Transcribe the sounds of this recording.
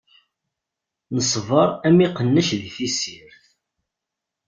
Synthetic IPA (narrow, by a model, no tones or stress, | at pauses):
nəsˤvəɾˤæmiqənːəʃðiθisiɾθ